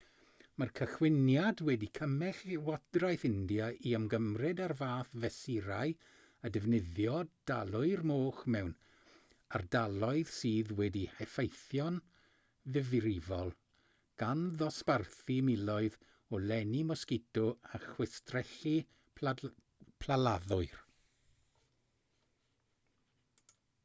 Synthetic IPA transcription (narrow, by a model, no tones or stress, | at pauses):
markʰəχwɪnjadwɛdikʰəmɛɬwad̥rajθɪndjaiəmɡəmrɪdarvaːθvɛsiɾaɨ | ədɛvnɪðjɔd̥alˠʊɨrmoːχmɛwn | ardalˠɔɨð̥siːðwɛdihɛfejθjɔn | ðɪvɨɾɪvɔlˠ | ɡ̥anðɔsparθimɪlˠɔɨð | ɔlɛnimɔskɪtʰɔaχwɪstrɛɬi | pʰlalaðʊɨr